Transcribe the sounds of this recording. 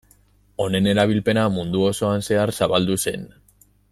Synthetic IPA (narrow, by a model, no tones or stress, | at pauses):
o̞ne̞ne̞ɾaβ̞ilpe̞namund̪uo̞so̞anse̞aɾsaβald̪use̞n